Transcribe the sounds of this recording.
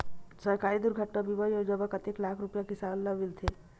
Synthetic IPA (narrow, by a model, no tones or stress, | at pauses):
səɾkaːid̪ʊɾɡʱəʈːabibəjod͡ʒəbəkət̪eklaːkʰɾupjakisaːnləmilt̪ʰe